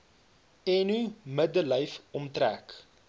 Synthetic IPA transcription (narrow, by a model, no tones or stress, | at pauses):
ɛnymədələjfɔmtræ̰k